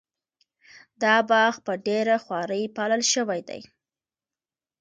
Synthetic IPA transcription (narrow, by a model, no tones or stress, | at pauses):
d̪ɑbɑxpəɖeɾaxwɑɾəjpɑləlʃəwajd̪a̰j